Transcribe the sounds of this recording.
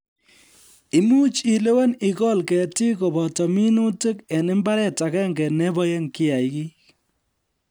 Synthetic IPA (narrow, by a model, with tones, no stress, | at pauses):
i˨mu˦t͡ʃi˨le˦wa˦ni˨kɔ˦lkɛ˨ti˦kɔ˨bɔ˨tɔ˨mi˦nu˦te˦kɛ˨nɪ˦mba˦ɾɛ˦ta˨kɛ˦ŋɡɛ˨nɛ˦bɔ˦jɛ˦ŋkɪ˦ja˨jki˦